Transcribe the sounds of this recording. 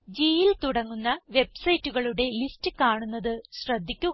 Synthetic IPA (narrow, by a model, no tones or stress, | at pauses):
d͡ʑiːjilt̪uɽɐŋːunːɐʋe̞bsɐjtːuɣɐɭuɽe̞listɨkaːɳunːɐðɨɕrɐd̪ʱːikʲːu